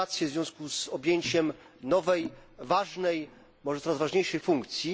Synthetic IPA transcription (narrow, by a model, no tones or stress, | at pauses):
at̪sʲjɛvzvʲjɔ̃w̃skuzɔbʲjeɲt͡ɕɛm | nɔvɛjvaʐnɛj | mɔʐɛt̪ɔɾazvaʐɲejʂɛjfuŋkt̪sʲji